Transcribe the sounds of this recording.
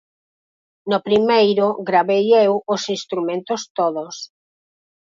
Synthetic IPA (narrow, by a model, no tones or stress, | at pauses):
nʊpɾimejɾʊɣɾaβejewʊsist̪ɾumẽnt̪ʊst̪oðʊs